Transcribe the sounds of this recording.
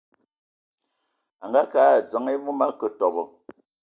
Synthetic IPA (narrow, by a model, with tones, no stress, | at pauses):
a˨ŋɡa˦kaː˨˦˨t͡sə˨˦ŋe˦mu˦ma˦kə˨tɔ˨bɔ˨